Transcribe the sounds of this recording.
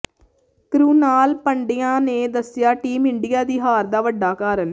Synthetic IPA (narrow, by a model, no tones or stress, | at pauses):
kɾuːnaːlpəɳɖɪjãːneːd̪əsɪjaːʈiːmɪɳɖijaːd̪iːɦaːɾd̪aːʋəɖːaːkaːɾən